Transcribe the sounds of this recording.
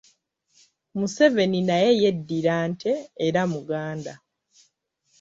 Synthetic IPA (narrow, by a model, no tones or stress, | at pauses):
muse̞ve̞ninaje̞je̞dːiɾaːntʰe̞ːɾamuɡaːnda